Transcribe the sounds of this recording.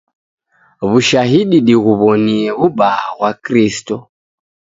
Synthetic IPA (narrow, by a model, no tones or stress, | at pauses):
βuʃaɦiɗiɗiɣuβɔniɛβuɓaːɣwakɾistɔ